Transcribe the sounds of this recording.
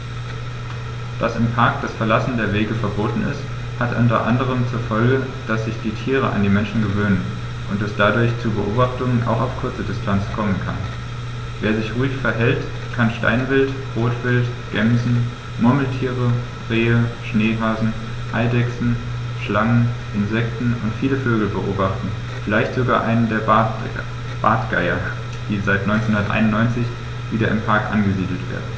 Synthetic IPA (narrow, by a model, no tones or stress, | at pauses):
d̥asɪmpʰaɐk̚d̥asfɛɐlasn̩deːɐveːɡəfɛɐboːtn̩ɪ̰st | hatʔʊntɐ̰ʔa̰ndəʁ̞əmt͡suːɐfɔlɡə | d̥asz̥ɪçd̥iːtʰiːʁəʔa̰ndiːmɛnʃn̩ɡəvøːnən | ʔʊntɛsd̥adʊɐçt͡subəʔo̰ːbaχtʊŋənʔa̰ʊxaʊfkʰʊɐt͡sədɪstʰant͡skʰɔmənkʰa̰n | veːɐzɪçʁuːɪçfɛɐɦɛlt | kʰanʃta̰ɪnvɪlt | ʁoːtv̥ɪltɡ̥ɛmzn̩ | mʊɐml̩tʰiːʁəd̥ʁeːəʃneːɦaːzn̩ | ʔaɪldɛksn̩ | ʃlaŋənʔɪnzɛk̚tn̩ʊntfiːləføːɡl̩bəʔo̰ːbaχtn̩ | fɪlaɪçtz̥oɡa̰ːʔaɪnəndeːɐ | b̥a̰ːtɡ̥a̰ɪɐ | d̥iːzaɪtnɔʏnt͡sɛnhʊndɐtʔa̰ɪnʊnːɔʏnt͡sɪç | viːdɐʔɪmpʰaɐkʔa̰nɡəziːdl̩tv̥ḛːɐdn̩